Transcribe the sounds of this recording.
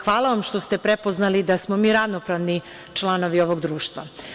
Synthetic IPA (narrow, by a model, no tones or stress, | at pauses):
xʋaːlˠaʋamʃt̪o̞st̪e̞pɾe̞po̞znalid̪asmo̞miːɾaʋnopɾaʋni | t͡ʃlˠano̞ʋio̞ʋo̞ɡd̪ɾuːʃt̪ʋa̰